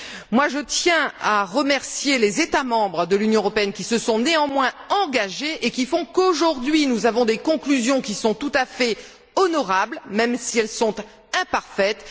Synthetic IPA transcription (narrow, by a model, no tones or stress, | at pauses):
mwaʒət̪jɛ̃aʁəmɛʁsjelezet̪amɑ̃bʁəd̪əlynjɔ̃əʁɔpeɛnkʲisəsɔ̃neɑ̃mwɛ̃ɑ̃ɡaʒeʔekʲifɔ̃koʒuʁd̪ɥinuzavɔ̃d̪ekɔ̃klyzjɔ̃kʲisɔ̃t̪ut̪afɛ | ɔnɔʁablmɛmsiɛlsɔ̃t̪ | ɛ̃paʁfɛt̪